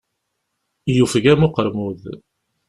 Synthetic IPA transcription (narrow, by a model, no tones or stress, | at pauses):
jufəɡæmʊqəɾmuð